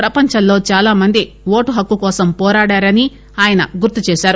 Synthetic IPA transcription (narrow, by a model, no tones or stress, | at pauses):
pɾɐpɐɲt͡ʃɐllo̞ːt͡ʃaːlaːmɐnd̪i | ʋo̞ːʈuɦɐkːukɔːsɐmpɔːɾaːɽaːɾɐni | aːjɐnɐ̰ɡuɾt̪ːit͡ʃɛːʃaːɾu